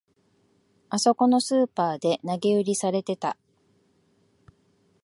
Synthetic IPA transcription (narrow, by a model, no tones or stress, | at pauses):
aso̞ko̞no̞sɨːpaːd̪e̞naɡe̞ɯ̟ɾʲisaɾe̞t̪e̞t̪a